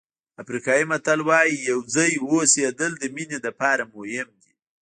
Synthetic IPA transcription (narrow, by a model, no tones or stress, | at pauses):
afɾikɑjimat̪alwɑjijawd͡zajwosed̪əld̪əmined̪apɑɾamohɪmd̪i